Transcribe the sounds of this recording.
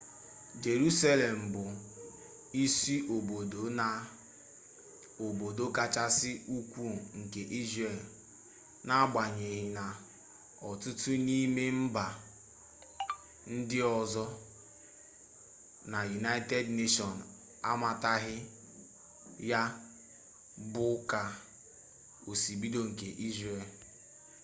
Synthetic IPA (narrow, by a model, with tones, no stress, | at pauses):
d͡ʒe˨ɾu˦sa˦le˨m̩˨bʊ˨ | i˦si˦ʔo˨bo˨do˨˦na˨ | o˨bo˨do˦ka˦t͡ʃa˦sɪ˦u˦kʷu˦˨ŋ̩˨ke˨ʔi˦zɾe˨l | na˦ɡ͡ba˨ɲe˨ɦɪ˨na˨ | ɔ˨tʊ˦tu˦ni˦me˦m̩˦ba˨ | n̩˦dɪ˦ɔ˨zɔ˦ | na˨ju˨na˦ɪ˦te˦dne˦ʃɔ˨n˨ | a̰˦ma˨ta˦ɦɪ˦ | ja˦ | bʊ˦ka˨ | o˨si˨bi˦do˦ŋ̩˨ke˨ʔi˦zɾe˨l